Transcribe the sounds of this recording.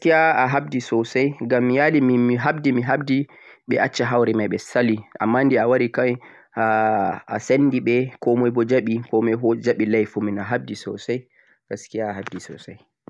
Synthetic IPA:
kijaaɦabdisɔsajɡamːijalimimiɦabdimiɦabdi | ɓɛ̰ʔat͡ʃːaɦawɾɛmajɓɛsaliʔa̰mːandiawaɾika | aa̰sanːdiɓɛkɔmɔjbɔd͡ʒaɓikɔmɛɦɔd͡ʒaɓilajfuminaɦab̚disɔsaj | ɡ̥askijaːɦabdisɔ̰saj

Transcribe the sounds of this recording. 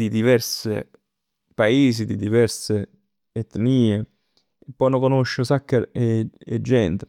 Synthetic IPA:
d̪id̪ivɛrsḛ | paeːz̬id̪id̪ivɛrseː | t̪niːe | epːɔjnokonoʃːosakːeeed͡ʒːɛnt̪e

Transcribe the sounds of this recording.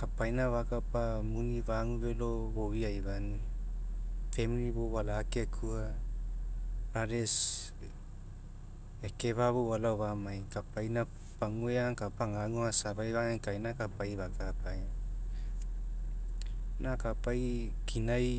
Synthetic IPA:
kapajnaβakapa | munivaŋuβelo | βowiajβani | feminiβowalakekʰua | ɾaɾes | eke̞βaβowalaoβamajkapajna | paŋueaŋkapaŋaŋuasaβajβaŋakajnakapajβakapaj | nakapajkʰinaj

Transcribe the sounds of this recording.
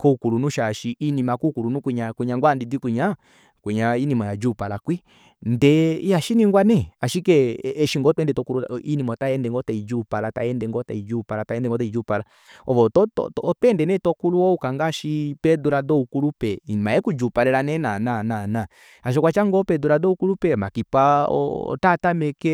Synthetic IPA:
kɔukulunuʃaʃiʔinimakukulunukʷiɲakʷiɲãŋɡandidikʷuɲa | kiɲainimɔad͡ʒupalakwi | ndɛaʃinĩŋɡwanɛaʃikɛːʃiŋɡɔtɛndɛtɔkuluinimɔtaɛndɛŋɡɔtaid͡ʒupalata̰ɛndɛŋɡɔta̰id͡ʒupalataɛndɛŋɡɔtaid͡ʒupala | ɔɔtɔtɔ̰tːtɛndɛnɛtɔkuluɔukaŋɡaʃipɛduɾadɔukulupɛinimaɛkud͡ʒupaɾɛɾanɛnanananã | aʃ̬ɔkwat͡ʃaŋɡɔpɛduɾadɔukulupɛmakipaɔ̰tatamɛkɛ

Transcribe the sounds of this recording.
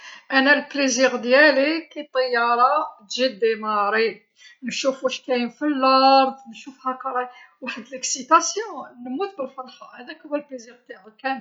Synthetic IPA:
ʔænælpliziʁd̪jælikæjt̪ˤːəjːɑɾˤɑt̪ʒid̪ːimɑɾi | nʃufuʃkæjəmfilːɑɾˤd̪nʃufhækɑɾˤɑwaħəd̪ləksit̪ɑsjɔ̃nmut̪̚bəlfɑlxɑhæd̪ækæbælpliziɾt̪kæn

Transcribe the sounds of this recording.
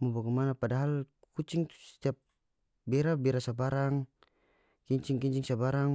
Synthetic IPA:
mɔbaɡɛmanapadaɦal | kut͡ʃiŋt̪u̥sɛ̥t̪iap̚ | bɛɾabɛɾasabaɾaŋ | kiɲt͡ʃiŋkiɲt͡ʃiŋsabaɾaŋ

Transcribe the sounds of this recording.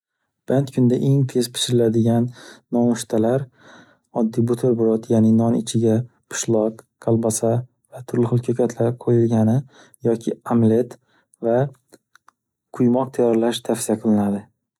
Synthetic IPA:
b̥ant̪kʰʊnd̪aʔe̞ŋt̪ʰez̥pʰɪ̥ʃɪɾɪlad̪ɪɡʲanːɒmʊʃt̪ʰalaɾ | ɒd̪ːijbʊt̪ʰoɾbʊɾɒt̪jaːnɪnɒnɪ̰t͡ʃʰɪɡʲa | pʰʊ̥ʃlˠɒqːʰ | alˠbasa | vat̪ʰʊɾlɪχʊlˠkʲʰokʲʰat̪ʰlaɾqʰojɪlɡʲanɪ | jɒkʲʰɪamle̞t̪ | va | qʰʊjmɒq̚t̪ʰajɒɾlaʃt̪ʰafsijaqʰɨlɪnad̪ɪ

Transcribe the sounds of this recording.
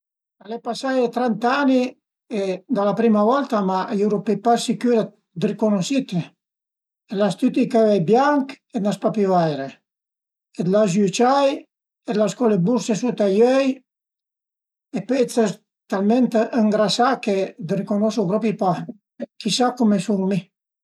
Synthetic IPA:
alɛpasajt̪ɾɛnt̪ani | ed̪alapɾimavɔlt̪amajuɾupepasikyɾa | d̪ɾikonosit̪e | elast̪yt̪ikavajbjaŋk | enaspapivajɾe | ed̪lazut͡ʃaj | ed̪laskɔlebuɾsesut̪ajœj | epɛt͡sɛs | t̪almɛnt̪ʔəŋɡɾasaked̪ɾikonɔsuɡɾɔpipa | kisakɔmesuŋmi

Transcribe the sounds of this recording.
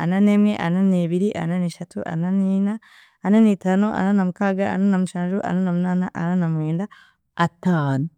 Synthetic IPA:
ɐnɐnemeʔɐnɐnebiɾiʔɐ̰nɐniʃɐt̪ʰuʔɐ̰nɐninaː | nɐnit̪ɐnoʔɐ̰nɐnɐmkaːɡaɐ̰nanɐmʃaɾuʔɐ̰nɐnɐmnanaʔɐnɐnɐmweːnda | ʔɐt̪ːan

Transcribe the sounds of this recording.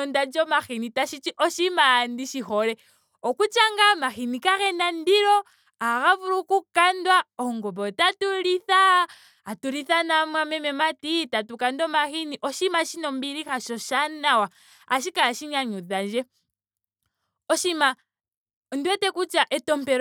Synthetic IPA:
ondad͡ʒomaxinitaʃit͡ʃiʔoʃimaːndiʃixole | okut͡ʃaŋɡamaxinikaxenandiɾo | aɣaβuɾukukandwaoŋɡoβotatuliθaː | tuɾiθanamwamemematitatukandomaxiniʔoʃimaʃinombiɾixaʃoʃanawa | aʃ̬ikalaʃiɲaɲuðaʒe | oʃima | ndiwetekut͡ʃaʔetompeɾ

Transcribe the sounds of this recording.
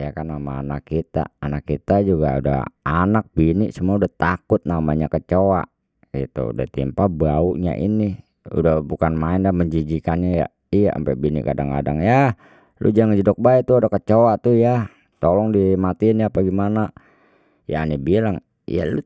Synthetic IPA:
jakanːamaːnakːit̪a̰ːnakːit̪ad͡ʒuɡa̰uda̰hanak̚biniʔsəmuaudaht̪akʊt̪̚namaɲakət͡ʃoa̰ʔ | ɡit̪ṵṵda̰ht̪impabauʔɲa̰ʔḭni | ṵdahbukanmaɪndaməɲd͡ʒid͡ʒikanɲaja̰ | ijaʔə̰mpɛʔbinḭʔkadaŋka̰daŋja | lʔṵd͡ʒaŋad͡ʒədɔk̚baɛt̪uadakət͡ʃowat̪uja | t̪olɔŋdimat̪iːnjapaɡimana | janibilaŋ | ja̰lṵ

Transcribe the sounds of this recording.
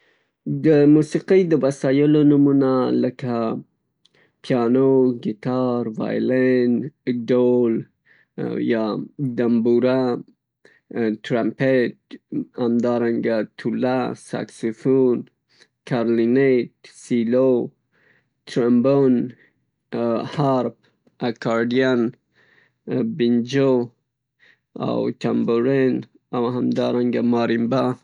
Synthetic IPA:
d̪əmusiqijd̪əwasɑjəlonʊmunaləka | pʰjɑnoɡit̪ɑɾvɑ̰jlenɖol | jɑd̪ambuɾa | tɾampeʈ̚hamd̪ɑɾaŋɡat̪ʰulasa̰ksufun | kʰaɾlineʈsilo | t̪ʰɾambon | haɾp̚ | akɑɾɖijan | bind͡ʒo | a̰wt̪ʰamboɾen | awɦamd̪ɑɾaŋɡamɑɾimba

